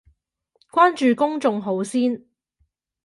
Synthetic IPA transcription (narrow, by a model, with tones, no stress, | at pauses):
kʷaː˥nt͡ʃyː˨kʊ˥ŋt͡sʊ˨˧ŋɦo˨˥wsiː˥n